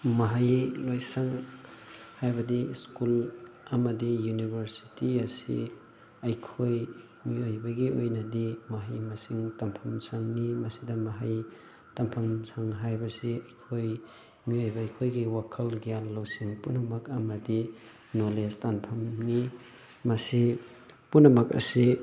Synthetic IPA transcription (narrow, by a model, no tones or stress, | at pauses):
mɐɦajlojsɐŋ | hajbɐdiskulɐmɐdijunibʱɐɾsi̥tiɐsḭ | ɐjkʰoj | miojbɐɡiojnɐdimɐɦajmɐsiŋtɐmpʰɐmsaŋnimɐsidɐmɐɦaj | tɐmpʰɐmsaŋɦajbɐsiɐjkʰoj | miojbɐːjkʰojɡiwakʰɐlɡijalːowsiŋpunɐmɐkɐmɐdi | nolestanpʰɐmni | mɐsi | punːɐmɐkɐ̰si